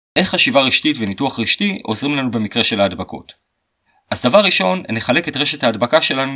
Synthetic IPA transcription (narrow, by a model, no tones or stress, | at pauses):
ʔe̞χːaʃivaʁiʃtitve̞nituaχʁiʃtiʔo̞zʁimlanube̞mikʁe̞ʃe̞laːdbako̞̰t | ʔazdavaʁːiʃo̞nːeχale̞ke̞tʁe̞ʃethaːdbakaʃe̞lanu